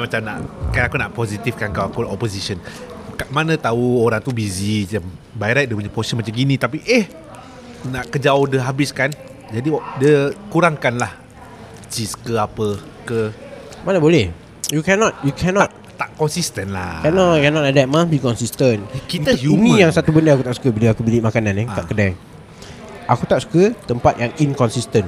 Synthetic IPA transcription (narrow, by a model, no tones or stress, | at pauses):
amat͡ʃamna̰ʔkaaakunaʔpɔsit̪ifkankawakuɔposisənkaʔmanə̃t̪auoɾaŋt̪ubiziam | bajɾajt̪̚diəp̬uɲapɔi̥sənmat͡ʃamɡinĩt̪apiʔeh | naʔkəd͡ʒawodəɦabɪskan | d͡ʒadidiəkuɾaŋkanlah | t͡ʃiskəapə | kəmanəbolɛh | jukɛnɔt̪̚jukʰɛnɔt̪̚t̪aʔkɔnsist̪ənla̰kɛnɔkɛnɔtadɛt̚mãsbikɔnsist̪ənkit̪uunĩjaŋsat̪ubəndəakut̪aʔsu̥kəbiliakubilimakanãnɛ̃k̪a̰ʔkədaŋ | akut̪aʔsu̥kət̪əmpat̪̚jaŋinkɔnsist̪ən